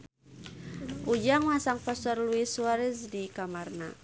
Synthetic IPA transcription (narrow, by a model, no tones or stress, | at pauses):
ʔud͡ʒaŋmasaŋpast̪ɔrluisuaɾɛsdikamarna